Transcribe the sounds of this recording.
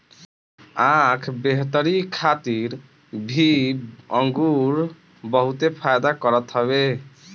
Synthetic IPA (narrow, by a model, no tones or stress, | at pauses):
ãkʰbeɦt̪əɾikʰat̪iɾ | bʱiəŋɡuɾ | bəɦut̪epʰajd̪akəɾət̪ɦəβe